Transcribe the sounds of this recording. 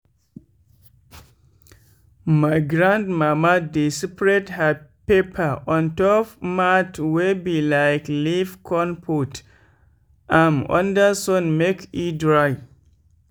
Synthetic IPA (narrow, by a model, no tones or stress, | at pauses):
majɡɾãndmamadisipɹethəpepʰəʔɔ̃ntɔpmatwebilaɪklivkʰɔ̃npʰut | ʔãnɔ̰̃ndəsɔ̃nmekidɹaj